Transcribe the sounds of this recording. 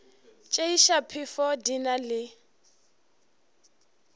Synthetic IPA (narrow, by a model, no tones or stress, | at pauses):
t͡ʃʼeiʃapʰifɔdinalɪ